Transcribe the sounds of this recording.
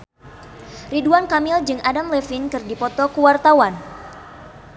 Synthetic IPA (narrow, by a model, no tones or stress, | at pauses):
riduankamɪld͡ʒɨŋadamlɛfinkɨrdipɔt̪ɔkuwart̪awan